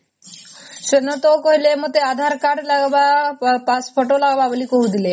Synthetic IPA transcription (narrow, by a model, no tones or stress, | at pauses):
ɕənət̪okoɦilemət̪ead̪ʱaɾkaɾɖlaɡʋapasfoʈolaɡʋaʋəliːkoɦud̪ile